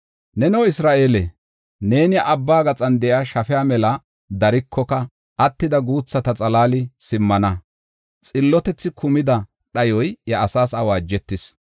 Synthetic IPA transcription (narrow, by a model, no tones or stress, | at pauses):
nɛnɔwɪsɾaːʔe̞ːlɛ | ne̞ːnjʔɐbːaːɡɐt͡sʼɐnd̪ɛʔjaːʃɐfɛjaːmɛlɐ | d̪ɐɾɪkʰːɔkɐ | ʔɐt̪ːɪd̪ɐɡuːt͡sːɐt̪ɐt͡sʼɐlaːlɪsɪmːɐnɐ | t͡sʼɪlːɔt̪ɛt͡sːɪkʰʊmɪd̪ɐ | ɗɐjɔjjɐːsaːsɐwaːd͡ʒːɛt̪ːɪs